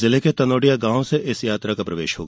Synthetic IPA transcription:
zɪleket̪ɐnoːɖijaɡãːwseʔɪsjaːt̪ɾakapɾɐʋeːʃɦo̰ːɡ

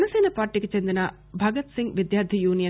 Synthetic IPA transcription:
ɐnɐseːnɐpaːɾʈːiket͡ʃend̪inɐ | bʱɐɡɐt̪siŋɡʋid̪jaːɾd̪ʱijuːnijɐ

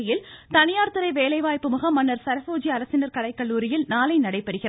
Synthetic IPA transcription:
ɪjɪlt̪ɐnɪjaːɾt̪ɯɾɐɪʋeːlɐɪʋaːjpːɯmʊɣɐmːɐnːɐɾsɐɾɐfoːd͡ʒiɐɾɐsɪnɐɾkɐɽɐɪkːɐɭːuːɾɪjɪlnaːlɐɪnɐɽɐɪpːɐɽɯɣɪ

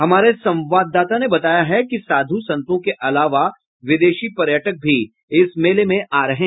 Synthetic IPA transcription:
ɦɐmaːɾesɐ̃mʋaːd̪ːaːt̪anebɐt̪aːjaɦɛkisaːd̪ʱusɐ̃nt̪õkeʔɐlaːʋa | ʋɪd̪eːʃipɐɾjəʈək̚bʱi | ɪsmeːlemẽʔaːɾɐɦẽ

